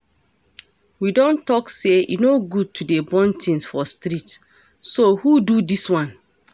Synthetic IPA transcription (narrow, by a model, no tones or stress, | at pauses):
widɔ̃ntɔksejḭnoɡud̚tʰudebɔ̃ntʰĩnsfɔstɾit | sohududiswãn